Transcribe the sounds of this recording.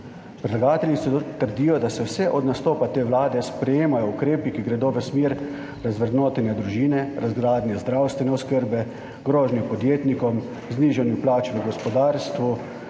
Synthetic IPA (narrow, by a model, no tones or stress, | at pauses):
pɾɛd̪laɡaːt̪ɛljisɔt̪əɾd̪iːjɔd̪asɛwsɛʔɔd̪nast̪oːpat̪eːʋlaːd̪ɛspɾɛjeːmajɔukɾeːpikiɡɾɛd̪oːʋəsmeːɾ | ɾazʋɾɛd̪noːt̪ɛnjɛd̪ɾuʒiːnɛɾʔazɡɾaːd̪nʲjɛzd̪ɾawst̪ʋɛnɛɔskəɾbɛ | ɡ̥ɾoːʒnixpɔd̪jeːt̪nikɔm | zniːʒanjuplaːt͡ʃʋəɡɔspɔd̪aːɾst̪ʋu